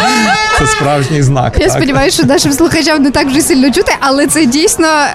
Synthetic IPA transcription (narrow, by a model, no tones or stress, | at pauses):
t̪sɛspɾavʒnʲɨjzna̰kjaspədʲɪmajʊʃt̪ɔnaʂɨmslˠʊxɐt͡ɕamnʊt̪aɡʐɨsʲilʲnɔt͡ʃut̪ɨʔɐlˠɛt̪sɛdʲejsʲt̪ʲnə